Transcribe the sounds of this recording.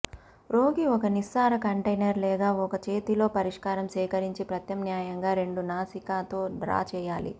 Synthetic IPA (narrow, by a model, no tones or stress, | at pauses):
ɾoːɡiɔkɐnisaːɾɐkɐɳʈɐjnɐɾlɛːɡaːɔkɐt͡ʃe̞ːt̪ilo̞ːpɐɾiʂkaːɾɐmsɛːkɐɾiɲt͡ʃipɾɐt̪jɐmnjaːjɐŋɡaːɾe̞ɳɖunaːsikaːt̪o̞ːɖɾa̰ːt͡ʃɛːjaːlḭ